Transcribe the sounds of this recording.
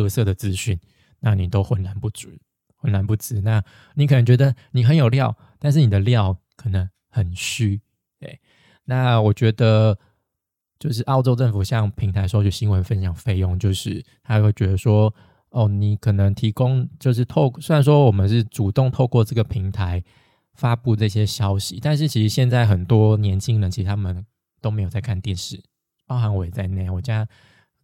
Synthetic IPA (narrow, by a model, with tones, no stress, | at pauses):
ɤ˥˧sɤ˥˩d̪ə˩t͡sɹ̩˦ɕy˥˩n | na˥˨ni˨˩t̪o˥ʊxwə˧˥nla˧˦npu˥˩t͡su˨˩˦ | xwə˧˦nla˧˦npu˥˩t͡sɹ̩˥˦na˥˩ | ni˨˥kʰɤ˨˩nə˦ŋt͡ɕɥɛ˧˥d̪ə˨ni˨˩xə˧˦njo˨˩ʊljɑ˥˨ʊ | t̪a˥˧nʂ̬ɻ̩˥˩ni˨˩d̪ə˩ljɑ˥˨˩ʊkʰə˨˩nə˧˦ŋ | xə˨˩nɕy˥ | t̪we˥˩ɪ | na˥˩wɔ˨˩t͡ɕɥɛ˧˥d̪ə˧ | t͡ɕjo˥˧ʊʂ̬ɻ̩˥˧ʔɑ˥˧ʊʈ͡ʂo˥˧ʊʈ͡ʂə˥˩nfu˨˩ɕjɑ˥˨ŋpʰi˧˥ŋt̪ʰa˧ɪʂo˥ʊɔ˨˩ɕi˦˥nwə˧˦nfə˦nɕjɑ˨˩ŋfe˥˧ɪjʊ˥˧ŋt͡ɕjo˥˧ʊʂɻ̩˥˩t̪ʰa˥we˥˩t͡ɕɥɛ˧˥d̪ə˨ʂwɔ˥ | ɔ˥˩ni˨˩kʰɤ˨˩nə˧˦ŋt̪ʰi˧˥kʊ˦ŋt͡ɕjo˥˧ʊʂ̬ɻ̩˥˩t̪ʰo˥˧ʊsa˥˩nʂ̬wɔ˥wɔ˨˩mə˨˦nʂ̬ɻ̩˥˩ʈ͡ʂu˨˩t̪ʊ˥˧ŋt̪ʰo˥˧ʊkwɔ˥˧ʈ͡ʂɤ˥˩ɡə˩pʰi˧˥ŋt̪ʰa˧˦ɪ | fa˥pu˥˧ʈ͡ʂɤ˥˧˩ɕjɛ˥ɕjɑ˥ʊɕi˨˦t̪a˥˧nʂ̬ɻ̩˥˩t͡ɕʰi˧˥ʂɻ̩˧˥ɕjɛ˥˧nt͡sa˥˩ɪxə˨˩nt̪wɔ˥njɛ˧˥nt͡ɕʰi˥ŋnə˨nt͡ɕʰi˧˥ʂɻ̩˧˩t̪ʰa˥mə˨n | t̪o˥ʊme˧˥ɪjt͡sa˥˧ɪkʰnt̪jɛ˥˧nʂɻ̩˥˩ | pɑ˥ʊxa˧˥nwɔ˧˥˩ɛ˨˩t͡sa˥˧ɪna˥˧˩wɔ˨˩t͡ɕja˦˥